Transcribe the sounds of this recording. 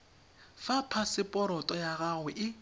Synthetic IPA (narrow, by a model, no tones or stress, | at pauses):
fapʰasɪpʼɔɾɔtʼɔjaɣaɣwɛʔɪ